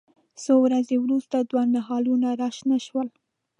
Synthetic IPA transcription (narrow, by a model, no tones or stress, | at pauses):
sowɾazewɾust̪ad̪wɑnaɦɑlunaɾɑʃnaʃwəl